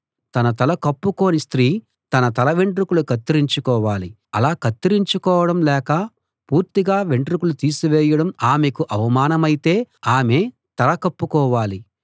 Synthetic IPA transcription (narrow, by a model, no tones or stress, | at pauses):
t̪ɐnɐt̪̬ɐlɐkɐpːuko̞ːnist̪ɾiː | t̪ɐnɐt̪ɐlɐʋeɳʈɾukulukɐt̪ːiɾiɲt͡ʃukɔːʋaːli | ɐlaːkɐt̪ːiɾiɲt͡ʃukɔːʋɐɽɐmlɛːkɐ | puːɾt̪iɡaːʋeɳʈɾukulut̪iːsuʋɛːjɐɽɐmaːmekuʔɐʋɐmaːnɐmɐjit̪e̞ːaːme̞ː | t̪ɐlɐkɐpːukɔːʋaːli